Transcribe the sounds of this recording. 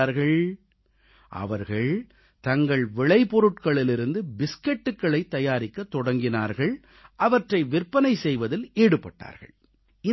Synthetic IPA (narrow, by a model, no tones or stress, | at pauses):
aːɾɣɐɭ | ʔɐ̰ʋɐɾɣɐɭ | t̪ɐŋɡɐɭʋɪɭɐɪpɔɾɯʈkɐɭɪlɪɾɯnd̪ɯbɪskɛʈːɯkːɐɭɐɪt̪ːɐjaːɾɪkːɐt̪ːɔɽɐŋɡɪna̰ːɾɣɐɭ | ʔɐʋɐʈrɐɪʋɪɾpːɐnɐɪsɛjʋɐðɪleːɽɯpːɐʈːa̰ːɾɣɐ̰ɭ | ɪ